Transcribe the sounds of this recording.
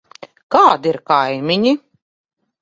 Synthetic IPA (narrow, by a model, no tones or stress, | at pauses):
kaːd̪iɾkajmʲiɲi